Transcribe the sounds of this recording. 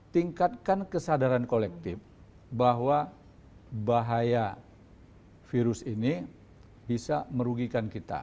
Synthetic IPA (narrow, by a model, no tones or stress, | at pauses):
t̪iŋkat̪̚kankəsadaɾankolɛk̚t̪ɪf | baɦwa | baɦaja | fiɾʊsini | bisaməɾuɡikankit̪a̰